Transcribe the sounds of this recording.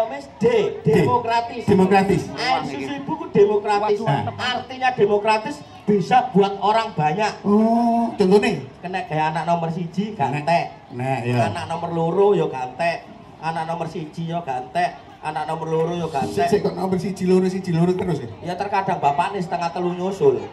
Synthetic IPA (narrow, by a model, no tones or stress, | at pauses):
mɪsd̥ed̥emokɾat̪ɪd̥emokɾat̪ɪssusuib̥ṳkud̥emokɾat̪ɪsart̪iɲad̥e̤mokɾat̪ɪs | b̥isab̥uat̪̚oɾaŋb̥a̤ɲaʔɔt͡ʃɔnt̪ɔnɪkənɛʔɡ̥aanaʔnɔmərsi̥d͡ʒ̥i̤ɡ̥a̤nt̪ɛʔ | nɛʔjanaʔnɔmərloɾojɔɡ̥ant̪ɛ | anaʔnɔmərsi̥d͡ʒ̥i̤ɲɔɡ̥ant̪ɛʔ | ʔa̰naʔnɔmərloɾojɔɡ̥ant̪ɛsekaʔnɔmərsi̥d͡ʒ̥iloɾʊsi̥d͡ʒ̥iloɾʊt̪ərʊskjat̪ərkad̥a̤ŋbapanɪsə̥t̪əŋaht̪əluɲosʊl